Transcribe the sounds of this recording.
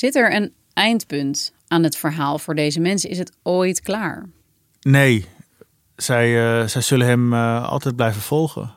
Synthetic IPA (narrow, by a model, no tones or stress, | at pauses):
zɪtɛɹən | ɛjntpɵnt | aːnɦətfəɹɦaːlˠvʊːɹdejzəmɛnsəɪ̰sɦətojtklaːɹ | nej | zɛjzɛjz̥ɵlənɦɛmɑ̰lˠtɛjd̚blɛjvəv̥ɔlˠχə̰n